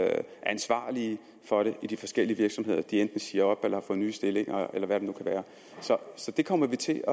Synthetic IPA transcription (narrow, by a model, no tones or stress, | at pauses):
ʔæænsʋɑ̰̈ːli | fɒ̽ɾ̥e̝ʔid̥ifɒ̽sɡ̥el̰iəʋiɐɡ̥sɒ̽mɦe̝ð̞̰ˠɐd̥iend̥n̩siːɐɒ̽b̥elɐhɑ̈fɔ̽ð̩ˠny̰ːsd̥e̝le̝ŋʔɐelɐʋæɾ̥enukʰæʋæːɐ | sɒ̽sɒ̽d̥e̝kʰɒ̽m̰ɐʋit͡sʰe̝ɒ